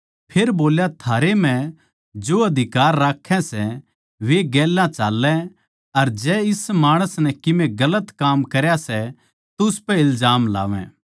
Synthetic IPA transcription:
pʰeːɾboːljat̪ʰaːɾem̤ɛ̃ | d͡ʒoɐd̪ʱɪkaːɾːaːkʰːɛ̃sɛ | ʋeɡɛːlːãt͡ʃaːlːɛ̃ | ɐɾd͡ʒɛːɪsmaːɽ̃əsnɛkɪmẽɡɐlət̪kaːmkɐɾjasɛ | t̪ʊspɛ̃ɪlzaːmla̰ːʋɛ̰̃

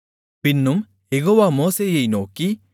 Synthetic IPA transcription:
pinːum | jeɣoːʋaːmoːseːjɐjnoːkːi

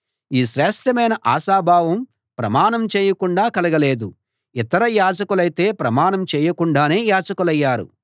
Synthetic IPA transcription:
iːʃɾɛːʂʈʰjɐmɐjnɐʔaːʃaːbʱaːʋɐm | pɾɐmaːnɐmt͡ʃɛːjɐkuɳɖaːkɐlɐɡɐleːd̪u | it̪ɐɾɐjaːd͡ʒɐkulɐjt̪e̞ːpɾɐmaːnɐmt͡ʃɛːjɐkuɳɖaːne̞ːjaːd͡ʒɐkulɐjːaːɾṵ

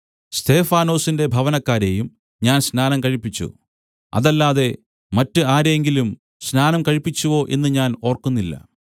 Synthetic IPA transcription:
st̪ʰe̞ːfaːno̞ːsinde̞bʱɐʋɐnɐkːaːɾe̞jum | ɲaːnsnaːnɐmkɐɻipːit͡ɕːṵ | ɐ̰ðɐlːaːðe̞ | mɐtːɨaːɾe̞ŋɡilum | snaːnɐmkɐɻipːit͡ɕːuʋo̞ːʔe̞nːɨɲaːno̞ːrkunːilːɐ̰

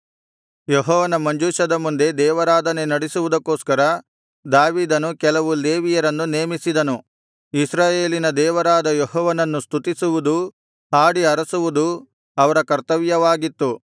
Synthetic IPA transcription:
joɦɔːʋɐnɐmɐɲd͡ʒuːʃɐd̪ɐmund̪e̞d̪ɛːʋɐɾaːd̪ɐne̞nɐɽisuʋud̪ɐkːoːskɐɾɐ | d̪aːʋiːd̪ɐnukɛlɐʋuleːʋijɐɾɐnːuneːmisid̪ɐnu | isɾaːje̞ːlinɐd̪ɛːʋɐɾaːd̪ɐjoɦɔːʋɐnɐnːust̪ut̪isuʋud̪u | aːɽiɐɾɐsuʋud̪u | ɐʋɐɾɐkɐɾt̪ɐʋjɐʋaːɡit̪ːu

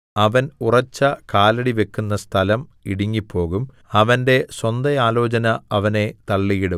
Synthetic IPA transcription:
ɐʋɐnurɐt͡ɕːɐkaːlɐɽiʋe̞kːunːɐst̪ʰɐlɐmiɽiŋːipːo̞ːɣum | ɐʋɐnde̞swɐnd̪ɐjaːlo̞ːt͡ɕɐnɐɐʋɐne̞t̪ɐɭːijiɽu

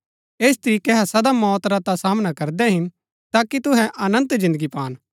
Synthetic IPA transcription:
eːs̬t̪əɾiːkeɦasɐd̪amɔːt̪ɾat̪asaːmnakɐɾd̪ɛɦɪn | t̪aːkit̪ʊɦɛ̃ʔɐnə̃nt̪d͡ʒɪ̃nd̪əɡipaːn

